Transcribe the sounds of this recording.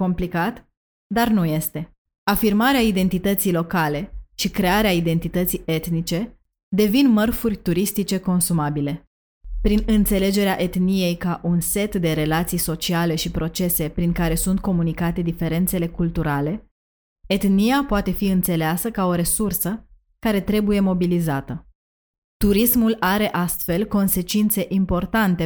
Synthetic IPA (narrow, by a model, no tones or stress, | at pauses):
ko̞mplikat̪ | d̪arnuje̞st̪e̞ | afirmaɾeaid̪e̞nt̪it̪ət̪sijlo̞kale̞ʃikɾe̞aɾeaid̪e̞nt̪it̪ət̪sije̞t̪nit͡ʃe̞ | d̪e̞vinmərfurʲt̪uɾist̪it͡ʃe̞ko̞nsumabile̞ | pɾinɨnt̪se̞le̞d͡ʒe̞ɾeaʔe̞t̪nije̞jkaʔunse̞t̪d̪e̞ɾe̞lat̪sijso̞t͡ʃiale̞ʃipɾo̞t͡ʃe̞se̞pɾiŋkaɾe̞sunt̪̚ko̞munikat̪e̞d̪ife̞ɾe̞nt̪se̞le̞kult̪uɾale̞ | et̪nijapoat̪e̞fiɨnt̪se̞leasəkao̞ɾe̞sursə | kaɾe̞t̪ɾe̞buje̞mo̞bilizat̪ə | t̪uɾismulaɾe̞ʔast̪fe̞lko̞nse̞t͡ʃint̪se̞ʔimpo̞rt̪ant̪e̞